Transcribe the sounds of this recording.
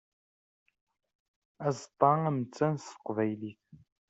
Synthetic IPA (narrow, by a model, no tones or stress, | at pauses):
æzt̪ˤɑamt͡sːɐnsə̥qvæjliθ